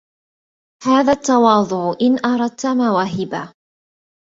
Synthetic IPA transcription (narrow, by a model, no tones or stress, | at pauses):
haːðaːt̪ːɑwɑːðˤʊʕʔɪnʔɑɾˤɑd̪̚t̪amaːwaɦɪbaː